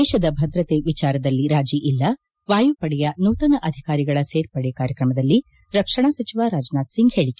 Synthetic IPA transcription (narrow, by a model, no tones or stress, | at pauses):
ɛːʃɐd̪ɐbʱɐd̪ɾɐt̪eʋit͡ʃaːɾɐd̪ɐlːiɾaːd͡ʒiʔilːɐ | ʋaːjupɐɽɛjɐnuːt̪ɐnɐʔɐd̪ʱikaːɾiɡɐɭɐseːɾpɐɽɛkaːɾjɐkɾɐmɐd̪ɐlːi | ɾɐkʂɐɳasɐt͡ʃiʋaːɾaːd͡ʒnaːt̪siŋɡheːɭike̥